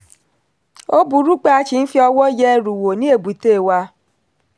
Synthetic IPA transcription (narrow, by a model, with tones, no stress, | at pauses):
o˦bu˨ɾu˦k͡pa˦a˧˦t͡ʃi˨n̩˦fi˦ɔ˧wɔ˦jɛ˦ɾu˨wo˨nĩ˦e˦˨bu˨te˦˨wa˧